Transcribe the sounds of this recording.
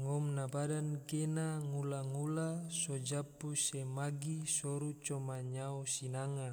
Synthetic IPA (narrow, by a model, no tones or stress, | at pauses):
ŋɔmnabadankenaŋulaŋulasɔd͡ʒapusemaɡisɔɾut͡ʃɔmaɲausinaŋa